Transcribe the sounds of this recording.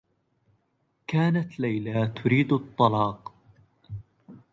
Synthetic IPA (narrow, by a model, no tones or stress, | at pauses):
kaːnat̪lajlat̪ʰʊɾiːd̪ɑt̪ˤːɑlɑːq